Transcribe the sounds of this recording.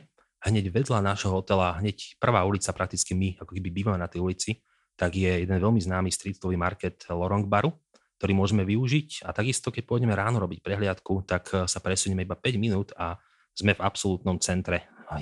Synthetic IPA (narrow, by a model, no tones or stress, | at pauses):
hɲɛɟʋɛd̪lanaʃɦɔɔt̪ɛlaɦɲɛcpr̩ʋaːulit͡sapɾak̚t̪it͡skimiakɔ̥kɛbibiːʋamɛnat̪ɛjulit͡si | t̪aɡjɛjɛd̪ɛnʋɛʎmiznaːmist̪ɾit̪ɔʋiːmaɾkɛt̪lɔɾɔŋɡbaɾu | k̚t̪ɔɾiːmʊɔʒɛmɛʋiuʒica̰t̪aɡist̪ɔkɛc̚pʊɔɔɟɛmɛɾaːnɔɾɔbicpɾɛɦlɪat̪kut̪aksapɾɛsuɲɛmɛibapɛɟminuːt̪a | z̥mɛvapsɔlut̪nɔmt͡sɛnt̪ɾɛ